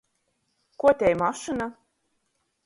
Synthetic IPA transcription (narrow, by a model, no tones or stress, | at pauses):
kuɔt̪ʲɛjmaʃɨna